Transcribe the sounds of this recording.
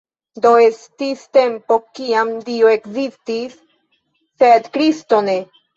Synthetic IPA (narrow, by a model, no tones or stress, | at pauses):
d̪o̞est̪ist̪e̞mpo̞kiamd̪ioekzist̪isː | ed̪kɾist̪o̞ne̞